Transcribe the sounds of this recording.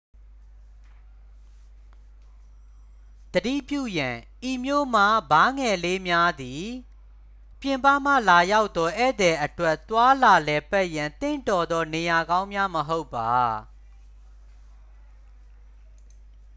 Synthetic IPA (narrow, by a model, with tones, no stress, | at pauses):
d̪̥ədḭ˦˨pjṵ˦˨jã˨ʔi˨mjo̰˦˨m̥a˦ba˨˦ŋɛ˨le˦mja˦d̪i˨ | pjɪ̃˨mpa˦˨m̥ä̰˦˨la˨ja˦ʊʔt̪ːɔ˦ʔɛ˦˨d̪ɛ˨ʔətwɛ˦ʔt̪wa˦la˨lɛ˨pɛ˦ʔjã˨nt̪ɪ̰̃˦˨ntɔ˨d̪ɔ˦ne˨ja˨ɡã˦ʊ̃mja˦məɦo˦ʊpːa˨